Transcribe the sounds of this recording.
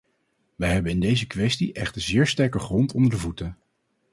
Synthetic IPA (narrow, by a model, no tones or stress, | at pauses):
ʋɛjɦɛbənɪndejzəkʋɛstiʔɛχtəɹzɪːɹstɛɹkəχrɔntɔndəɹdəvutə